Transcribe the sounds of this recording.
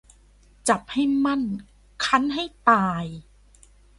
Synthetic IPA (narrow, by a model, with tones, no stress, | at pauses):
t͡ɕa˨˩p̚ha˥˩jma˥˩n | kʰa˦˥˩nɦa˥˩jt̪aː˧j